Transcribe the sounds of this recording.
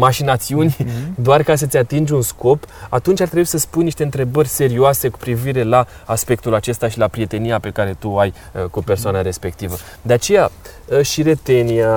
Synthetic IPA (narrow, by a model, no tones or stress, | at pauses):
maʃinat̪siunʲd̪oarkas̬ət̪sʲat̪ind͡ʒunsko̞pat̪unt͡ʃaɾrt̪ɾe̞buisəspunjniʃt̪e̞ɨnt̪ɾe̞bərʲse̞ɾioase̞ku̥pɾiviɾe̞la | aspe̞k̚t̪ulat͡ʃe̞st̪aʃilapɾije̞t̪e̞nijape̞kaɾe̞t̪uaj | kupe̞rsoanaɾe̞spe̞k̚t̪ivə | d̪eat͡ʃe̞jaʃiɾe̞t̪e̞nia